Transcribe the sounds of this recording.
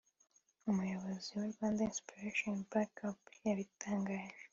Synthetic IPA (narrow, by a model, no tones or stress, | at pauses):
umujo̞βo̞ziweɾɡwaːndainspiɾeʃonbakapjaβitʰaːŋɡaːʒe